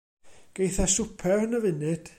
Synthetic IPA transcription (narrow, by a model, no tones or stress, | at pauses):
ɡ̥ejθasʊpʰɛrnəvɨnɨd̥